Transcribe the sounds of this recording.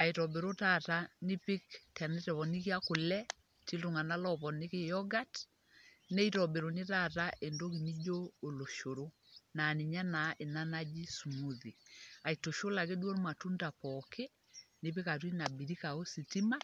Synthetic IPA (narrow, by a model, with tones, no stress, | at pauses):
a˨i˨tɔ˨be˨ɾo˦tata˦nɪ˦pɪ˦ktɛ˨nɛ˦tɛ˨βɔ˨ni˦ki˦a˦kʊ˨lɛ˦ | ti˦lto˨ŋa˨na˦lɔpɔ˨nɪ˦ke˦jɔɡa˦t | nɛ˦itɔbe˨ɾo˨nɪ˦ta˦˨ta˦ʔe˨ndo˦k̬i˨ni˦d͡ʒoː˦˨lo˨ʃo˨ɾo˦ | na˨ni˨ɲa˦na˨˦ʔe˨na˦nad͡ʒi˦su˨mu˦ði˨a˨i˨to˨ʃo˦la˨ke˦dwo˦ɾma˨tu˦nda˨pɔkʰe˦ | nɪ˦pɪ˦ka˨twi˦na˨bi˨ɾi˦ka˨o˦si˨ti˦ma˦